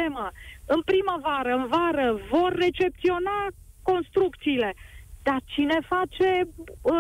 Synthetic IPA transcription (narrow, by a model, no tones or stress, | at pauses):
eməɨnpɾiməvaɾəɨnvaɾəvo̞rːe̞t͡ʃe̞p̚t̪sio̞na | ko̞nst̪ɾuk̚t̪siːle̞d̪̥at͡ʃine̞fat͡ʃe̞